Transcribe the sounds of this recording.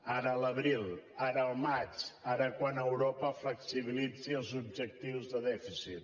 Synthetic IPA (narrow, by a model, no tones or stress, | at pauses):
aɾələβɾilˠaɾəːlˠmat͡ʃaɾəkwanəwɾopəfləksiβilid͡ziəlˠzub̚ʒək̚t̪iwzðəðɛfisit̪̚